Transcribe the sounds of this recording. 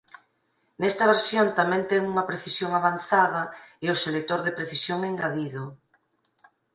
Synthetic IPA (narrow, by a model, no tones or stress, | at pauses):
nɛst̪ɐβ̞eɾsjont̪amɛ̃nt̪ɛŋuŋɐpɾeθisjoŋaβan̟θaðɐeʊselek̚t̪oɾðepɾeθisjoŋeŋɡaðiðo